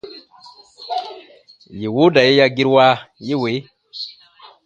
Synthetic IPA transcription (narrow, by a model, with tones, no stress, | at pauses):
ji˨wo˦da˨je˦ja˦ɡi˦ɾwa˦je˦we˨˦